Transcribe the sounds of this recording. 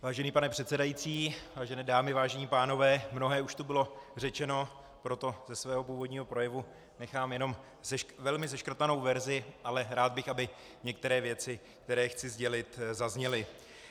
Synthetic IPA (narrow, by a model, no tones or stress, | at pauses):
vaːʒɛniːpanɛpr̝̥ɛt̪sɛdajit͡siːvaːʒɛnɛːdaːmɪvaːʒɛɲiːpaːno̞vɛːmno̞ɦɛːuʃt̪ubɪlo̞rɛt͡ʃɛno̞ | pɾo̞t̪o̞zɛsvɛːɦo̞puːvo̞dɲiːɦo̞pɾo̞jɛvu | nɛxaːmjɛno̞m | zɛʃvɛlmɪzɛʃkr̩t̪ano̞wvɛɾzɪʔalɛɾaːd̪̚bɪxabɪ | ɲɛk̚t̪ɛɾɛːvjɛt͡sɪ | k̚t̪ɛɾɛːxt͡sɪzɟɛlɪt̪zazɲɛlɪ